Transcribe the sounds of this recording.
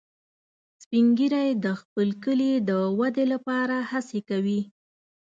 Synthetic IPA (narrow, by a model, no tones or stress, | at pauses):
spiŋɡiɾajd̪əxpəlkəlid̪əwad̪elapɑɾahasekawi